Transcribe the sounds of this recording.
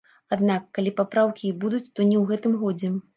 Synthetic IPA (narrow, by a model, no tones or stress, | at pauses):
ad̪nakːalʲipapɾawkʲibud̪ut͡sʲt̪ɔnʲɛwɣɛt̪ɨmɣɔd͡zʲɛ